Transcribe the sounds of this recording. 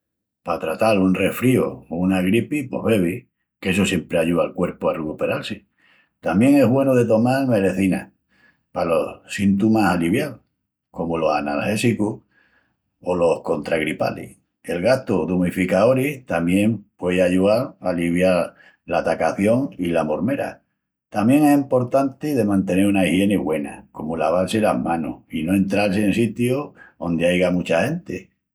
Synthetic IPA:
pat̪ɾat̪alunre̞fɾio̰unaɣɾipipo̞̰hβe̞β̞i | kes̬osje̞mpɾe̞aʎuðalkwe̞ɾpoarekupe̞ɾalse | t̪amje̞ŋe̞ɦβwe̞noð̞e̞t̪o̞maɾme̞ɾe̞θina̰ | palo̞ssint̪umasaliβjal | ko̞molo̞sanalhe̞sikuh | olo̞hko̞nt̪ɾaɣɾipa̰lḭh | e̞lɣaht̪oðumifikao̞ɾiht̪amjẽ̞mpweðaʝuaɾaliβjaɾ | lat̪akaθjo̞ŋilamo̞ɾme̞ɾa̰ | t̪amje̞ŋe̞simpo̞ɾt̪ant̪eðe̞mãnt̪e̞ne̞ɾunaihje̞neɣwe̞na̰ko̞molaβ̞alselahmãno̰ino̞e̞nt̪ɾals̬eensit̪joo̞nd̪eajɣamut͡ʃahe̞nt̪e

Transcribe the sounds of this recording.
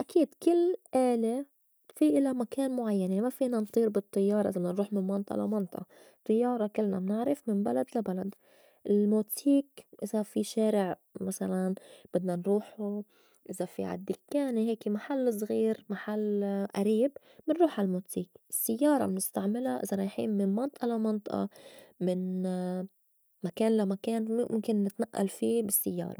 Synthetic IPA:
ʔakiːd̪kɪlːʔaːle | fiʔɪlamakaːnmʊʕajːanjaʕnimafiːnant̪ˤiːɾbɨt̪ˤːɨjːɑːɾˤɑʔɪzabɪdnanɾuːħmɪnmɑnt̪ˤɑʔla̰mɑnt̪ˤʔɑ | t̪ˤːɨjːɑːɾˤɑkɪlːna̰mnɪʕɾɪfmɪnbalad̪labalad̪ | ʔɪlmoːt̪iːkʔɪzafiʃaːɾɪʕmasalanb̥ɪd̪nanɾuːħu | ʔɪzafḭʕa̰d̪ːɪkːaːniɦeːkimaħalːs̬ˤɣiːɾmaħalːʔaɾiːb | mɪnɾuːħalmoːt̪iːkɪsːɪjːɑːɾˤɑ̰mnɪst̪aʕmɪlaʔɪ̰zaɾˤɑjħḭːnmɪnmɑnt̪ˤʔɑlamɑnt̪ˤɑʔɑ̰mɪn | makeːnlamakeːnmʊ̰ʊ̰mkɪnːɪt̪naʔːa̰lfiːbɪsːɪjːɑ̰ːɾˤɑ̰

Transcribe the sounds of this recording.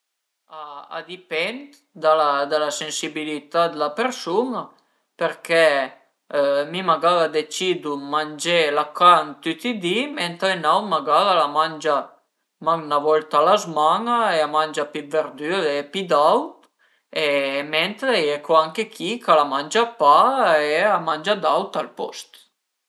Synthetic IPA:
aa̰d̪ipɛnt̪ | d̪alad̪alasensibilit̪ad̪lapeɾsuna | peɾkɛ | mimaɡaðad̪et͡ʃid̪umand͡ʒelakant̪yt̪id̪iment̪ɾenawmaɡaðalamanʲd͡ʒa | maŋnavɔlt̪alazmaŋaeamanʲd͡ʒapiveɾd̪yepid̪awt̪ | emɛnt̪ɾeɛkuaŋkekʰikalamand͡ʒapaeamand͡ʒad̪awt̪alpɔ̰st̪

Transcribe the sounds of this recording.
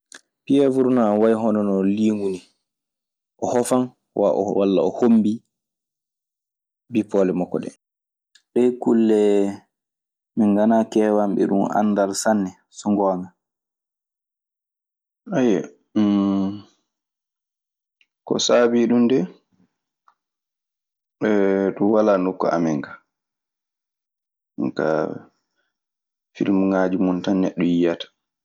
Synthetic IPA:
piɛvuɾunanwajɦɔnɔnɔliːŋɡuni | ʔɔhɔfan | wa̰ʔɔ̰walːa̰ɔhombi | bipɔːlɛmɔkːɔ̰ɗɛ̰ | ɗɛjkulːɛ | miŋɡanakɛːwamɓɛ̰ɗṵma̰ndalsanːɛ | suŋɡɔːma | aja | kɔ̰saːbiɗundɛ | ɛɗuwalanukːɔ̰a̰mɛŋka | ŋka̰ | fḭlmuŋaːd͡ʒimuntanːɛɗːɔjijatḁ

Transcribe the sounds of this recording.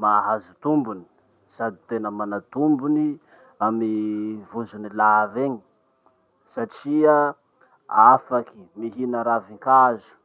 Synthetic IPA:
maɦazut̪umbuni̥ | sad̪i̥t̪enəmanat̪umbuni | amivuzunilaveɲi̥ | saʈ͡ʂia | afaki̥miɦinəɾaviŋkazu̥

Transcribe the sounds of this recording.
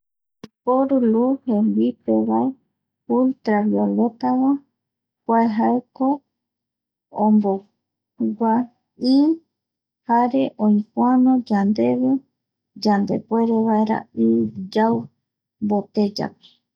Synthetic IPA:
ipoɾuluhẽŋɡipeβae | ult̪ɾaβiolot̪awa | pʷaeɦaeko | õmbo | ɡʷa | i | haɾeʔõĩpwanõd͡ʒand̪e̞βe | d͡ʒand̪e̞̰pweɾeβaeɾa̰ɨd͡ʒaw | mbot̪ed͡ʒa̰pi̥

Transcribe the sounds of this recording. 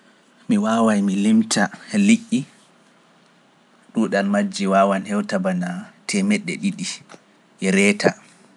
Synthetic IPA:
miwaːwajmilimtʰaliʔʲːi | ɗuɗanmad͡ʒːiwaːwanhɛwtabanatʰɛmɛɗːɛɗiɗi | ɾɛta

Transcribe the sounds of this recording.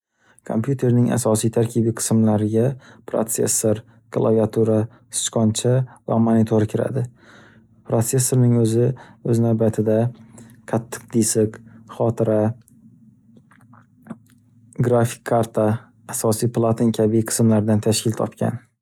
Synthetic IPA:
kʰo̰mpjut̪ʰe̞ɾnɪŋa̰sɒsijt̪ʰaɾkʲʰibijqʰɨ̥smlaɾɪɡʲapʰɾo̰t̪se̞̰sːoɾ | ɡ̥lˠa̰viat̪ʰuɾa | sɪ̥t͡ʃqɒnt͡ʃʰava̰monit̪ʰoɾkʲʰɪɾa̰d̪ɪ | pɾot̪se̞sːo̞ɾnɪŋɵzɪɵznawbat̪ʰɪd̪aqʰɑt̪ʰːɨ̥q̚d̪isɪkχɒt̪ʰɪɾa | ɡɾafi̥kʲʰːaɾt̪ʰaː | sɒsijplˠat̪ʰɪnkʲʰabiqʰɨ̥smlaɾd̪ant̪ʰaʃkʲɪlt̪ʰɒ̰pkʲa̰n

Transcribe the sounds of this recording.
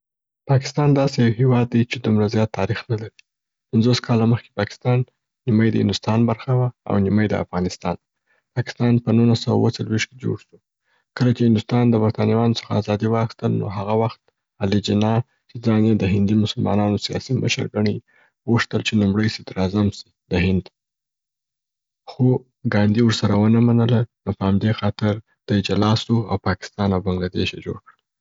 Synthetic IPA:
pɑkɪ̥st̪ɑnd̪ɑsejawhewɑd̪ːat͡ʃed̪umɾazjɑt̪ʰːɑɾixnalaɾi | panzoskʰɑlaməxke̥pɑkɪ̥st̪ɑnː | imajd̪əhɪ̰nd̪ʊst̪ɑnbaɾxawaa̰wniməjd̪ə̰a̰fɣɑnɪst̪ɑn | pɑkɪ̥st̪ɑnpənulasawa̰wət͡salwiʃked͡ʒo̰ɽʃu | kəlat͡ʃehɪnd̪ʊst̪ɑnd̪əbaɾt̪ɑniwɑnosə̥xaːzɑd̪iwəaxi̥st̪əlno̰ɦaɣawaxt̪̚ | alid͡ʒɪnɑ | t͡ʃed͡zɑnjed̪əɦɪnd̪imʊsʊlmɑ̰nɑnosijɑ̰simə̰ʃə̰ɾɡaɳi | ɣuʂt̪əlt͡ʃenumɽəjsɪd̪ɾɑzamsi̥ | d̪əɦɪnd̪ | xo | ɡɑnd̪iwʊɾsaɾawənəmanəlanopəhamd̪exɑt̪ɪɾ | d̪̥əd͡ʒalɑsoawpɑkɪ̥st̪ɑnawbaŋɡlad̪ḛʃjḛd͡ʒo̰ɽkɽəl

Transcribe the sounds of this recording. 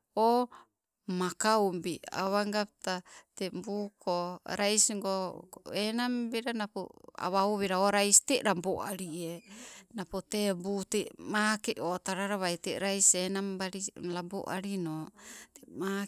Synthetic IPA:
o | makaumbia̰βaŋɡap̚t̪at̪embukoɾajsiŋɡoenambiɾanapo̰a̰βaoβeɾaoɾaisi̥t̪eʔɾamboʔaɾienapot̪ebut̪emakeʔot̪aɾaɾaβajt̪eʔɾajsenambaɾilambo̰ʔa̰ɾinot̪ema

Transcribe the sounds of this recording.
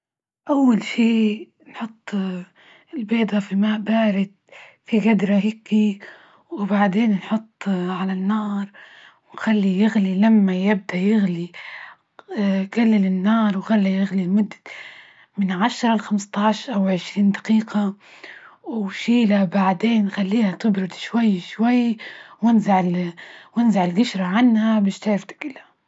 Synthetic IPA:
ʔawːalʃiː | nħʊt̪ˤː | ɪlbeːd̪ˤafimaːʔbaːɾɪt̪fiɡad̪ɾˤaɦɪkːi | wɪbaʕd̪eːnnħʊt̪ˤːʕalanːɑːɾˤ | wnxalːijɪɣlilamːajɪb̚d̪aʔjɪɣli | ɡ̥alːɪlɪnːɑːɾˤwxalːijɪɣlilmʊd̪ːa | mɪnʕaʃɾˤɑlxamst̪ɑːʃʔawʕɪʃɾiːnd̪ḁqiːqa | wʃiːlabaʕd̪eːnxalːiːhat̪ɪbɾɪd̪ʃwajːʃwajːwɪnzaʕ | wɪnzaʕɪlɡɪʃɾˤaʕanhabɪʃt̪aɾɪft̪ḁkɪla

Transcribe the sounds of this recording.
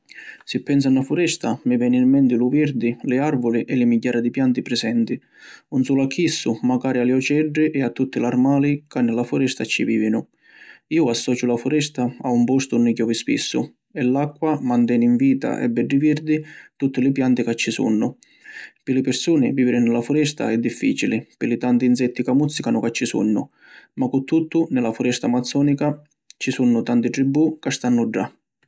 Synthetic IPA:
sɪpːɛns̬anːafʊɾɛst̪amɪvɛːnɪmːɛnt̪ɪluviɾd̪ɪlɪarvʊlɪʔɛlɪmiɟːaːɾad̪ɪpjant̪ɪpɾɪsɛnt̪ɪ | unsuːlakʰːisːʊmakaːɾialɪɔt͡ʃɛɖːɪʔɛat̪ːut̪ːɪlarmaːlikanːɪlafʊɾɛst̪at͡ʃːḭvḭːvɪnʊ | iːʊasːɔːt͡ʃʊlafʊɾɛst̪aaumpɔst̪ʊnːɪkɔvɪspḭsːʊ | ɛlːakːwamant̪ɛːniɱviːt̪a̰ʔɛ̰bːɛɖːiviɾd̪ɪt̪ut̪ːɪlɪpjant̪ɪkat͡ʃːisṵnːʊ | pɪlɪpɪɾsuːnɪviːvɪɾɪnɪlafʊɾɛst̪a̰ɛd̪ːifːḭːt͡ʃilɪpɪlɪt̪ant̪inzɛt̪ːikamut̪sːikanʊkat͡ʃːisṵnːʊ̰ | makʊt̪ːut̪ːʊnɪlafʊɾɛst̪amat̪sːɔːnika | t͡ʃisunːʊt̪ant̪ɪʈɾibːukast̪anːʊɖːa

